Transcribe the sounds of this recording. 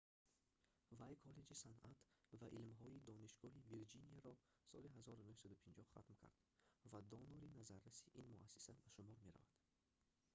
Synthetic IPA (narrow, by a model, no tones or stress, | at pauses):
vajkʰɔle̞d͡ʒisana̰t̪vaʔilmɦɔid̪ɔniʃɡɔɦiviɾd͡ʒiniaɾɔ | sɔliɦazɔɾunuhsad̪upʰind͡ʒɔhχa̰t̪mkʰa̰ɾd̪̥vad̪ɔnuɾinazaɾːasiʔinmuʔasːi̥sabaʃumɔɾme̞ɾa̰va̰d̪̥